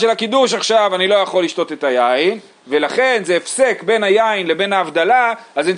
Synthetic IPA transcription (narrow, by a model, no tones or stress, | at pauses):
ʃelhakid̪uʃ̬aχʃavanilo̞jaχo̞lːiʃto̞t̪e̞t̪ajain | ve̞laχe̞nzeːfse̞kbe̞najainle̞be̞naːvd̪alaazani